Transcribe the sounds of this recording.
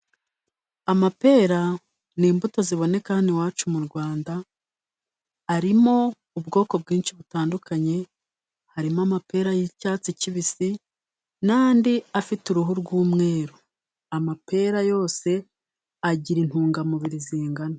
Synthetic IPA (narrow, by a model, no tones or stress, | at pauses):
amape̞ːɾa | niːmbutoziβo̞ne̞kahaniwaːt͡ʃumuɾɡwaːnda | ɾimo̞ | ubɡo̞ːko̞b̚ɡiːnʃiβutaːndukʰaɲe̞ | haɾimoamape̞ːɾajicaːt͡siciβisi | naːndiafituɾuɦuɾɡuːmŋe̞ːɾo | amape̞ːɾajo̞ːse̞ | aɟiɾin̥huːŋɡamuβiɾiziːŋɡano